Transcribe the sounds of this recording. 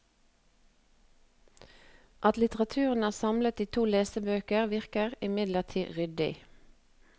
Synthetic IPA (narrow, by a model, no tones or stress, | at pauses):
ʔɑt̪lɪt̪əʁɑt̪ʰʉːʁən̩æːsɑmlət̪iːt̪ʰuːleːsəbøːkəʁʋɪʁkəʁɪmɪd̪ləʁt̪ʰiːʁʏd̪ɪ̰